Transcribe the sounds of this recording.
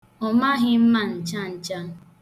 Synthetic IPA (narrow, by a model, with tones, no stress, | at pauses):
ɔ˨ma˦ɦɪ˦m̩˦ma˨n̩˨t͡ʃa˦n̩˨t͡ʃa˦